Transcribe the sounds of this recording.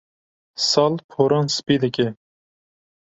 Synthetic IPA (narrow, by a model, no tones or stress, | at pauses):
sɑlpʰoɾɑnsɨ̥pid̪əkʲe